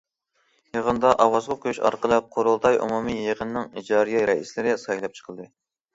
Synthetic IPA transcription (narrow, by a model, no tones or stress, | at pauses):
jeʁənd̪ɑʔɑwɑzʁɑkʲʰyʃɑ̰ɾqəlˠɨp̚qʰoɾulˠt̪ʰɑjʔṵmumijeʁənnɨŋid͡ʒɑːɾijɑjɾɛislɪɾɪsɑjlˠɑp̚t͡ʃʰə̥qʰəlˠd̪ɨ